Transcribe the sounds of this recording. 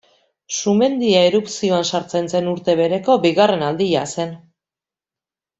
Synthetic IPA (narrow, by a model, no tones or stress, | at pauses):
sume̞nd̪iaeɾupsio̞ansaɾt͡se̞nse̞nuɾt̪e̞βe̞ɾe̞ko̞biɣare̞nald̪iʎase̞n